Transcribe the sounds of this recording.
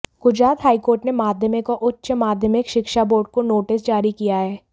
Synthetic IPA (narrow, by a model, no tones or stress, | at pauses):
ɡ̥ʊd͡ʒɾaːt̪ɦaːikoːɾʈnemaːd̪ʱjəmekoʔʊtːʃəmaːd̪ʱjəmɪkʃɪkʃaboːɾɖ̚konoːʈɪs̬d͡ʒaːɾikijaɦɛː